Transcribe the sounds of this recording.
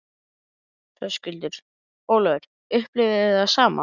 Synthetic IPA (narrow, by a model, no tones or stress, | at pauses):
θœscʏlt̪ʏɾ̥ | oːwlœðʏɾ̥ | ʏhplɪvɪðɪasaːma̰